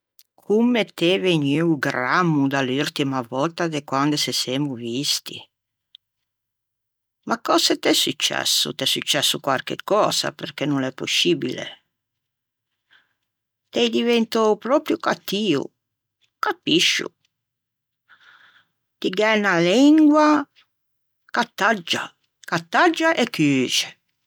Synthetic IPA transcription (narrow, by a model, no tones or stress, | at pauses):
kʰumːet̪eveɲiwɡɾamːud̪aluɾt̪imavɔlt̪ad̪ekwand̪eseseːmuvist̪ḭ | makːɔset̪ɛsut͡ʃːɛ̰sːṵt̪ɛsut͡ʃːɛsːukwaɾkḛkːɔːza̰peɾk̟enunɛpːosiːbḭlḛ | t̪ɛjd̪ivɛnt̪opɾɔːpɾjʊkat̪ːiːʊ̰ | kapːiʃːʊ̰ | t̪iɡɛːnaliŋɡwa | kat̪ːad͡ʒːa | kat̪ːad͡ʒːaʔekːyːt͡ʃe̥